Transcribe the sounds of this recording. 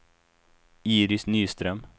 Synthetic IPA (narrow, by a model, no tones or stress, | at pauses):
iːɾɪsnyːst̪ɾœm